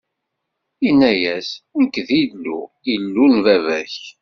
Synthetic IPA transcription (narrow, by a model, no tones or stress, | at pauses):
inæjæsænkːðilːṵ | ilːunvævæç